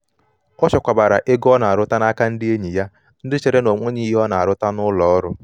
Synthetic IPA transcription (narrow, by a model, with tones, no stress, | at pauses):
ɔ˦t͡ʃɔ˨kʷa˨ba˨ɾa˨ʔe˦ɡɔ˦na˨a˨ɾʊ˦ta˦na˦ka˦n̩˦dɪ˦e˦ɲi˨ja˦ | n̩˦dɪ˦t͡ʃe˨ɾe˦no˨ŋʷe˦ɲi˦ɦi˦ɔ˦na˨a˨ɾʊ˦ta˦nʊ˦lɔ˨ɔ˦ɾʊ˦